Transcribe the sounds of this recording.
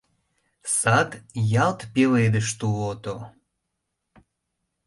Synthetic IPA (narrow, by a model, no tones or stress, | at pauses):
sɑt̪jɑlt̪peled̪əʃt̪ulot̪o